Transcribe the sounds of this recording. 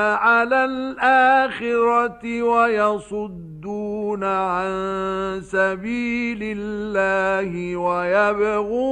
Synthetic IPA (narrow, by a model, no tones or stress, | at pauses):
ʕalaːlʔaːxɪɾɑt̪ɪwajɑsˤʊd̪ːuːnaʕansabiːlɪlːaːhɪwajabɣuː